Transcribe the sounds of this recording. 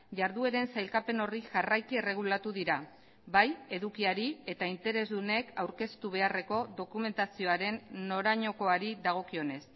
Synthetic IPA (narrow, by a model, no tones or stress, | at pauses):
ʝaɾðue̞ɾe̞nsajlkape̞no̞riʝarajkie̞re̞ɣ̞ulat̪uðiɾa | βaje̞ðukiaɾie̞t̪aint̪e̞ɾe̞zðune̞kawɾke̞st̪uβ̞e̞are̞ko̞ðo̞kume̞nt̪asio̞aɾe̞nːo̞ɾaɲo̞ko̞aɾiðaɣ̞o̞kio̞ne̞s